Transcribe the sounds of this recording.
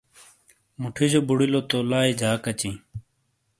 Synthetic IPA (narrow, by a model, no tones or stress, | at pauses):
muʈʰid͡ʑobʊɽiloːt̪oːlaːid͡ʑʱaːkət͡ɕĩː